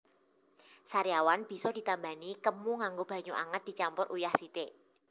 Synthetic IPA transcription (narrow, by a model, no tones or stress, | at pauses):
saɾijawanb̥i̤sɔd̪̥i̤t̪amba̤nikəmuŋaŋɡob̥a̤ɲuʔa̰ŋət̪̚d̪̥i̤t͡ʃampʊrʔujahsit̪eʔ